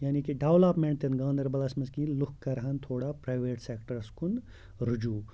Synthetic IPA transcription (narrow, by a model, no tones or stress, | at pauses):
jaːnikiɖeʋlaːpmeɳʈ̚t̪enɡãːnd̪ɐɾbɐlaːsmɐnzkĩːlukkːɐɾɐɦɐnt̪ʰoːɽapɾaːjʋeːʈseːkʈɐɾskun | ɾud͡ʒuː